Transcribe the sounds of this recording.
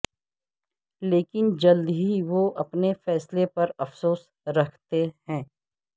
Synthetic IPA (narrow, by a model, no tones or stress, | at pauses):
leːkɪnd͡ʒɐld̪ɦiʋoɐpnefɛːslepɐɾɐfsoːs | ɾɐkʰt̪ehɛ̃ː